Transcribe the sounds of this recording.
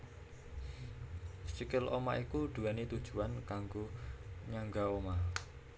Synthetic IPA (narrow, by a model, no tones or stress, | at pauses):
sikɪlʔomaʔikuɖ̪̥ṳɛnit̪ud̥ʒ̥ṳankaŋɡoɲaŋɡaoma